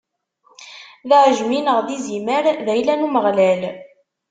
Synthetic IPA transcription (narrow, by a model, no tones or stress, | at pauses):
ðʕəʒminəʁðiziməɾðæjlænuməʁlæl